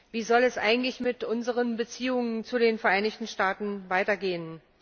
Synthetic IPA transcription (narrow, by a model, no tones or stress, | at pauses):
viːzɔlɛsʔa̰ɪɡŋ̩tlɪçmɪtʔʊnzəʁ̞ənbət͡siːʊŋənt͡sudeːnfɛɐʔaɪnɪçtn̩ʃtaːtn̩vaɪtɐɡeːən